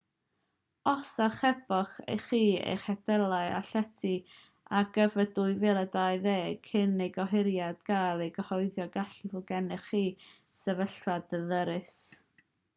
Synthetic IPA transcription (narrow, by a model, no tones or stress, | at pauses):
ɔsarχɛbɔχḛjχiːḛjχɛdɛlˠaɨa̰ɬɛtʰi | aɡəvədʊɨvɛlˠədajðeːkʰhɪnejɡɔɦɪɾjad̥ɡ̥alˠejɡəhɔɨðjɔɡaɬivɔɡɛnɛχiː | sɛvəɬvadəðəɾɨs